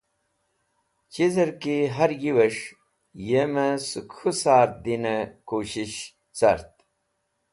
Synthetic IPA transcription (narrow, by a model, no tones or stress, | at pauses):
t͡ɕizɐɾkiɦɐɾjiwɐʂ | jemɐsukʰusaːɾd̪inɐkoːɕiɕ | t͡sɐ̰ɾt̪̚